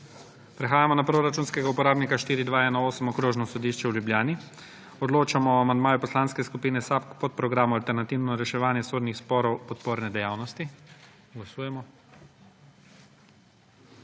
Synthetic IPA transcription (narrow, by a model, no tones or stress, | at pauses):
pɾɛxaːjamɔnapɾoɾat͡ʃuːnskɛɡaupɔɾaːbnikaʃt̪iːɾid̪ʋaːɛnaoːsəmɔkɾoːʒnɔsɔd̪iːʃt͡ʃɛwljubljaːni | ɔd̪loːt͡ʃamɔːamand̪maːjupɔslanskɛskupiːnɛsapkpɔt̪̚pɾɔɡɾaːmualt̪ɛɾnat̪iːwnɔɾɛʃɛʋaːnjɛsoːd̪nixspɔːɾɔwpɔt̪poːɾnɛd̪ɛjaːwnɔst̪i | ɡlasuːjɛmɔ